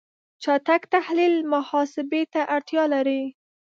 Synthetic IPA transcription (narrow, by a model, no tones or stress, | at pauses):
t͡ʃɑt̪akt̪ahlilmʊhɑsɪbet̪aʔaɾt̪jɑlaɾi